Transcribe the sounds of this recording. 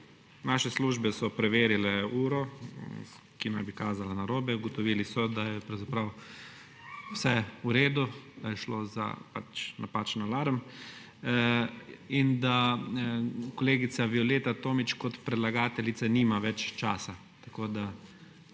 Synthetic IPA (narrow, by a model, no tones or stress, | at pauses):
naːʃɛsluːʒbɛsɔpɾɛʋeːɾilɛuːɾɔ | kinajbikaːzalanaɾoːbɛuɡɔt̪ɔʋiːlisɔd̪ajɛpɾawzapɾaw | sɛuɾeːd̪ud̪̥ajɛʃloːza̰pa̰t͡ʃnapat͡ʃnalaɾəm | ind̪a | kɔleːɡit̪saʋiɔleːt̪at̪oːmit͡ʃkɔt̪pɾɛd̪laɡaːt̪ɛlit̪saniːmaʋɛt͡ʃt͡ʃaːsa | t̪akoːd̪a